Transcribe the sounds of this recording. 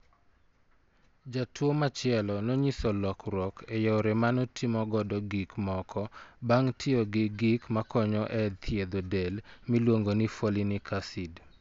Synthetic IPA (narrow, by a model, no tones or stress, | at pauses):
d͡ʒatʰwomat͡ʃɪɛlɔnɔɲisɔlɔkɾɔkʰejɔɾɛmanɔtʰimɔɡɔdɔɡikmɔkʰɔbaŋtʰɪɔɡɪɡɪkmakɔɲɔʔɛt̪ʰjed̪odɛlmilwoŋɡonifolinikʰasid